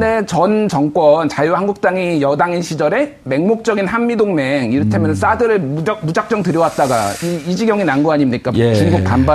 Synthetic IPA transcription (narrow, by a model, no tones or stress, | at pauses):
de̞t͡ɕʌnt͡ɕʌŋk͈wʌnt͡ɕajuhanɡuk̚t͈aŋijʌdaŋinɕʰid͡ʑʌɾe̞ | me̞ŋmok̚t͡ɕ͈ʌɡinɦammidoŋme̞ŋiɾɯtʰemjʌnns͈adɯɾɯɭmud͡ʑak̚t͡ɕ͈ʌŋtɯɾjʌwat̚t͈aɡa̰iːd͡ʑiɡjʌŋinanɡuaɲimɲik͈at͡ɕinɡupanba